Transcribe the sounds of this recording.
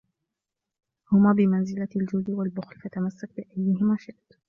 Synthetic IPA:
hʊmaːbɪmanzɪlald͡ʒʊd̪walbʊxlfat̪amasːak̚bɪʔajːɪɦɪmaːʃaʔt̪

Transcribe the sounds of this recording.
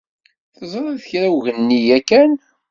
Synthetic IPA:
θəzˤɾˤæðəçɾæwʝənːijækːæn

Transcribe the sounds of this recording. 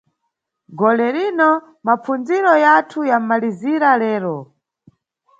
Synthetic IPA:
ɡɔlɛɾinɔ | mapund͡ziɾɔjatʰujamaliziɾalɛːɾɔ

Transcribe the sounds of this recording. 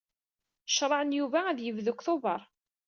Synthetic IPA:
ʃɾˤɑʕənjuvæːðjəvðʊkθovɑɾˤ

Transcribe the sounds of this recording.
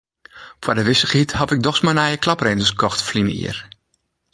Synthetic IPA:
fwadəʋɪsəχithɑtɪk̚dɔxsmanajəklɑprɛntəskɔxtfliməḭər

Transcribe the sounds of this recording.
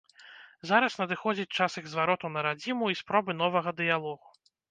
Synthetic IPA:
zaɾɐsnɐd̪ɨxɔd͡zʲit͡sʲt͡ʂasɨɣzvaɾɔt̪unɐɾad͡zʲimuispɾɔbɨnɔvɐɣɐd̪ɨjalˠɔɣu

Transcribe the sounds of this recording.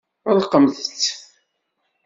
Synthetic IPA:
əlqəmðət͡sː

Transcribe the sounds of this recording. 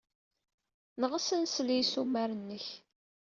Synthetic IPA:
nəʁəsənslisumæɾənːəç

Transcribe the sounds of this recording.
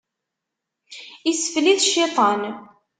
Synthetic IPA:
isə̥fliðʃːit̪ˤɑn

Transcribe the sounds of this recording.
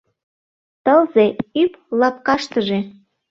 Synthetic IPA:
t̪əlzeyplɑpkɑʃt̪əʒe

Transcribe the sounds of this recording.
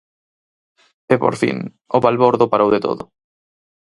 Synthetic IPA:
epo̰ɾfḭŋ | oβalβoɾðʊpaɾowðet̪o̰ðʊ

